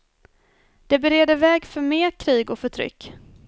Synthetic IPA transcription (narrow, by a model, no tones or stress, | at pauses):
d̪̥ɛbɛɾeːd̪əvɛːɡfœɾmeːkʰɾiːɡɔfœʈʰɾʏ̰kː